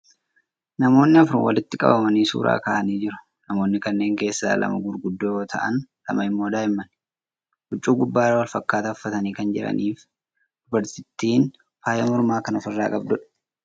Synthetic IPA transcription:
nɐmo̞ːnːɪɐfɾʊ̰nwɐ̰lɪt̪ːɪkʼɐ̰bɐmɐniːsṵːɾʔa̰ːka̰ːʔɐniːd͡ʒɪɾʊ̥ | nɐmo̞ːnːɪkɐnːe̞ːŋke̞ːsːa̰ːlʔɐ̰mɐɡʊɾɡʊd̪ːoːjo̞ːt̪ʰɐʔɐ̰nlɐ̰mɐɪmːo̞ːd̪aːɪmːɐn | hʊt͡ʃʼːuːɡʊbːaːɾɐwɐlfɐkːaːt̪ɐʊfːɐt̪ɐniːkɐnd͡ʒɪ̰ɾɐ̰nʔiːf | d̪ʊbɐɾt̪ɪt̪ːiːn | faːjɐmɔɾmaːkɐnɐfɪrːaːkʼɐbd̪ʊᶑɐ̥

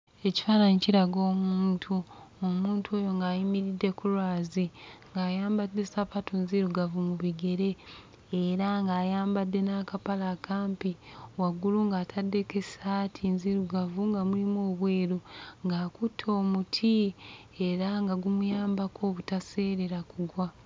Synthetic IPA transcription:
e̞ci̥fanaɲiciɾaɡo̞ːmuːntʰuomuːntʰo̞ːjo̞ŋɡaːjimiɾidːe̞kulwaːziŋɡaːjaːmbadːe̞sapatʰonziɾuɡavumuβiɡe̞ɾe̞ː | ɾaŋɡaːjaːmbadːe̞nakapalakaːmpiwaɡuluŋɡaːtʰadːe̞ke̞saːtʰinziɾuɡavuŋɡamulimoːβwe̞ːɾuŋɡaːkutʰo̞ːmutʰi | eɾaŋɡaɡumujaːmbakʰo̞ːβutase̞ːɾeɾakuɡwa

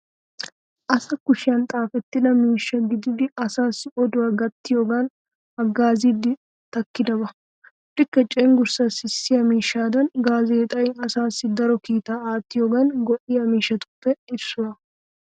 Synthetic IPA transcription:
ʔɐsɐkʊʃɪjɐnt̪ʼaːfɛt̪ːɪnɐmiːʃːɐɡɪd̪ɪd̪ɪɐsaːsɪɔd̪ʊɐɡɐt̪ːɪjoːɡɐn | ɐɡːaːziːd̪ɪ | t̪ɐkːɪd̪ɐbɐ | ᶑɪkːɐt͡ʃʼeːŋɡʊɾsɐsɪsːɪjɐmiːʃːaːd̪ɐnɡaːzeːt̪ʼɐjɪɐsaːsɪd̪ɐɾɔkiːt̪aːaːt̪ːɪjoːɡɐnɡɔʔɪjɐmiːʃːɐt̪ʊ̥pːɛɪbsʊɐ

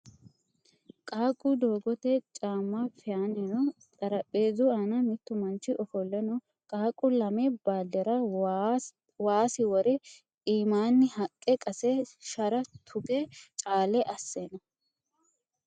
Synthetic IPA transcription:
kʼaːkʼːʊd̪oːɡɔt̪ɛt͡ʃʼaːmːafɪjaːnɛnɔt̪ʼɐɾɐpʼːeːzʊaːnɐmɪt̪ːʊmɐnt͡ʃːɪʔɔfɔlːɛnɔ | kʼaːkʼʊlɐmɛbaːd̪ɛɾɐ | waːsɪwɔɾɛ | iːmaːnːɪhɐkʼːɛkʼɐsɛʃɐɾɐt̪ʰʊɡɛt͡ʃʼaːlɛʔɐsːeːnɐ

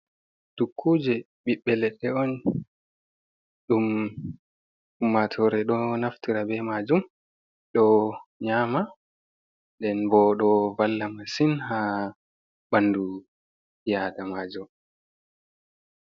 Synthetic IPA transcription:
tukʰːud͡ʒɛ | ɓiɓːɛlɛɗːɛɔn | ɗum | umːatʰɔɾɛɗɔnaftiɾabɛmad͡ʒum | ɗɔɲama | dɛnbɔɗɔvalːamasinha | bandu | jadamaːd͡ʒum

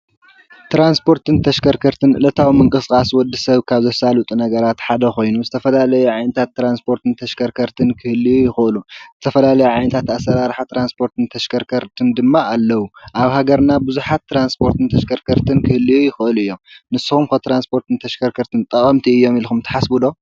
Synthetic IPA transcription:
t̪ɾanspʰo̞ɾt̪ɨnt̪ʰɐʃkʰɐɾkʰɐɾt̪ʰɨnʔɨlɐt̪ʰawimɨŋkʼɨsɨkʼaswɔd̪ːɨsɐβkʰaβzɐsalut̪ʼunɐɡɐɾat̪ħad̪ɐxo̞jnuzɨt̪ʰɐfɐlalɐjuʕajnɐt̪ʰat̪ːɾanspʰo̞ɾt̪ɨnt̪ʰɐʃkʰɐɾkʰɐɾt̪ʰɨnkʰɨhɨlːijujɪxɨɨluzɨt̪ʰɐfɐlalɐjuʕajnɐt̪ʰat̪asːɐɾaɾħat̪ʰɾanspʰo̞ɾt̪ʰɨnt̪ʰɐʃkʰɐɾkʰɐɾt̪ʰɨnd̪ɨmːaalːɐwuʔaβhaɡɐɾnabɨzuħat̪ʰːɾanspʰo̞ɾt̪ʰɨnt̪ʰɐʃkʰɐɾkʰɐɾt̪ʰɨnkʰɨhɨlːijujɪxɨʔɨluɨjːomnɨsːɨxumkɐt̪ɾanspʰo̞ɾt̪ɨnt̪ʰɐʃkʰɐɾkʰɐɾt̪ʰɨnt̪ʼɐkʼɐmt̪ʰiɨjːo̞milxumt̪ʰɐ̥ħasbud̪o̞

